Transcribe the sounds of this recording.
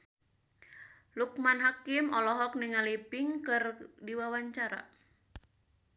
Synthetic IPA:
luk̚manɦakimɔlɔɦɔk̚niŋalipɪŋkɨrdiwawaɲt͡ʃaɾa̰

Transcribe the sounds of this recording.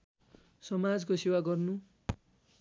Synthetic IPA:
sʌmad͡zkosewaɡʌrnu

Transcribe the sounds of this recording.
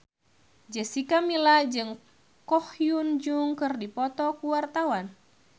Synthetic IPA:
d͡ʒɛsikamilad͡ʒɨŋ | kɔhjund͡ʒuŋkɨrdipɔt̪ɔkuwart̪awan

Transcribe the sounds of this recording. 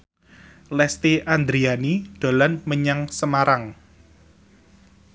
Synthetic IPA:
lɛst̪iʔand̪ɾianiɖ̪̥o̤lanməɲaŋsəmaɾaŋ

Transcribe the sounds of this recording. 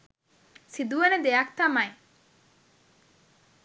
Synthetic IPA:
sid̪uened̪eak̚t̪amaj

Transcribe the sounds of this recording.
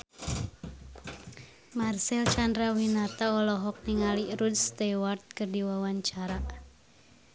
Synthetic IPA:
marsɛlt͡ʃandɾawinat̪aɔlɔɦɔk̚niŋaliɾudst̪ɛwart̪̚kɨrdiwawaɲt͡ʃaɾa

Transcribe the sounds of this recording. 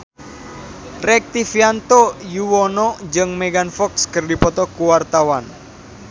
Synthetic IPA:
rɛk̚t̪ifiant̪ɔjuwɔnɔd͡ʒɨŋmɛɡanfɔkskɨrdipɔt̪ɔkuwart̪awan

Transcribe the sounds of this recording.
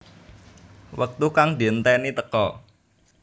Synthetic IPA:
wək̚t̪ukaŋd̪i̤ənt̪ɛnit̪əkɔ

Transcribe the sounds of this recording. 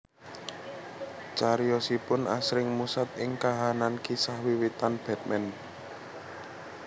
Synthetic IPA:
t͡ʃaɾijɔsipʊnʔa̰sɾɪŋmusat̪̚ɪŋkaɦanankisahwiwit̪anb̥ɛ̤t̪̚mɛn

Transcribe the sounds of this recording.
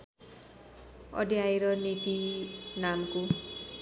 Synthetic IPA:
ʌ̰d̪jajɾʌnit̪inamko

